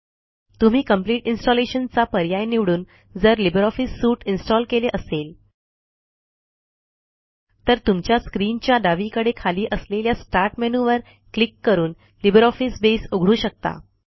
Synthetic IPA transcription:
t̪um̤iːkəmpliːʈinsʈɔleɕənt͡sapəɾjajniʋɽuːn | d͡zəɾlibɾɔfisːuːʈinsʈɔlkeleʔəsel | t̪əɾt̪umt͡ɕjaskɾiːnt͡ɕjaɖaʋikəɽekʰaliːʔəsleljasʈaɾʈmenuʋəɾ | klikːəɾuːn | libəɾɔfisbesuɡʱɽuːɕək̚t̪a̰

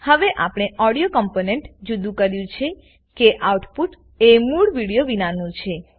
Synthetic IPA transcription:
həʋeʔa̰pɽ̃eʔɔɽijokɔmponeɳʈd͡ʒud̪ũkəɾjũt͡ʃʰe | keʔawʈpuʈ | emuɭʋiɽijoʋinanũt͡ʃʰe

